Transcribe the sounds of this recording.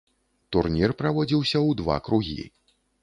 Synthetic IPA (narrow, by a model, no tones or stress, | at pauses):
t̪urnʲirpɾavɔd͡zʲiwsʲɐwd̪va̰kɾuɣʲḭ